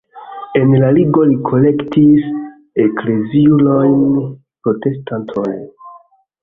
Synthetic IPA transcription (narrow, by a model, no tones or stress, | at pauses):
e̞nlaliɡo̞likʰo̞le̞ktis | ekle̞ziulojn | pɾo̞te̞stantʰojn